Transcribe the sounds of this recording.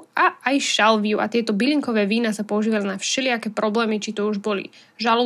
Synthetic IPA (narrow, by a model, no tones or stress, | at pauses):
aajʃalʋiuʔa̰t̪ɪɛt̪ɔbiliŋkɔʋɛːʋiːnasapɔuʒiːʋalinafʃɛlɪakɛːpɾɔblɛːmit͡ʃit̪ɔuʒbɔlḭ | ʒalɔ